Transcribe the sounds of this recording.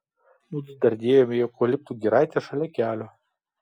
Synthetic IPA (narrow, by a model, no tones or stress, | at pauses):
nud̪ʲɪd̪ɐɾʲd̪ʲeːjoːmʲɪjokolʲɪp̚t̪uːɡʲiɾɑɪt̪ʲeʃɐlʲɛkʲæːlʲo